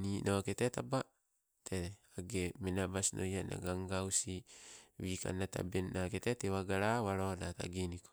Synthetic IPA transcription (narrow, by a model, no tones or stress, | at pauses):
ninʔoketetaba | tʰeaɡemenabasnʔojana̰ɡaŋɡawsiwika̰nata̰benːaketetewaɡaɾawaɾonata̰ɡiniko